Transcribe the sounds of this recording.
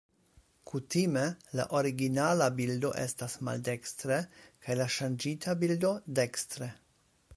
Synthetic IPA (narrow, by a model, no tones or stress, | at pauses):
kʰutimela̰ʔoɾiɡinalabildo̞ʔestasma̰ldekstɾekʰajlaʃand͡ʒitʰabildo̞dekst̪ɾe